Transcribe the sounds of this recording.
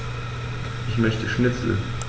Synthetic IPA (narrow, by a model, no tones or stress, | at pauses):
ʔɪçmœçtʰəʃnɪt͡sl̩